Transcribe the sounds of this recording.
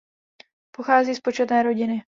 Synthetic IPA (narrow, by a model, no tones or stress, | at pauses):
po̞xaːziːspo̞t͡ʃɛt̪nɛːɾo̞ɟɪnɪ